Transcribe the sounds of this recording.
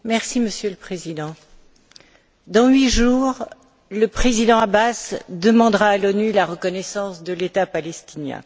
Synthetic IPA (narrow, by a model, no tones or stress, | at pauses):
mɛʁsiməsjøləpχezid̪ɑ̃ | d̪ɑ̃ɥiʒuːʁ | ləpχezid̪ɑ̃abasd̪əmɑ̃d̪ʁaːlɔnylaʁəkɔnɛsɑ̃sd̪əlet̪apalɛst̪injɛ̰̃